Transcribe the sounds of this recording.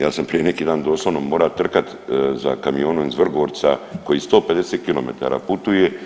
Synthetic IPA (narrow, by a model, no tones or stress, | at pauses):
jaːsampɾije̞ne̞kiːd̪aːnd̪o̞ːslˠoʋnomːo̞ːɾat̪r̩kat̪ | za̰kamijo̞ːnuizʋr̩ɡoːɾt̪sa̰ko̞jist̪o̞ːpe̞d̪eset̪̚kilo̞̰me̞̰t̪a̰ːɾa̰put̪uje̞